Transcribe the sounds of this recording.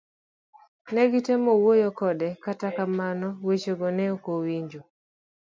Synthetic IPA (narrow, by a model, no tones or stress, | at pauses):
nɛɡitɛemɔwojɔkɔdɛkatakamanɔwet͡ʃoɡɔnɛokowiɲd͡ʒo